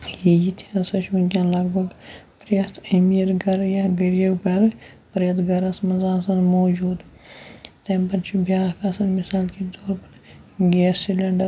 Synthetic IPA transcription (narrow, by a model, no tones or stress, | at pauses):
jejit̪ʰjansɐʃunkʲjãːlɐɡbʱɐɡpɾjɐt̪ʰɐmijɐɾɡɐɾjaːɡɐɾijɐwɡɐɾ | pɾjɐt̪ɡɐɾɐsmɐzaːsɐnmoːd͡ʒuːd̪ | t̪empɐnt͡ʃʰibjaːkaːsɐnmɪsaːlked̪oːɾpɐɾ | ɡeːsilɐɳɖɐɾ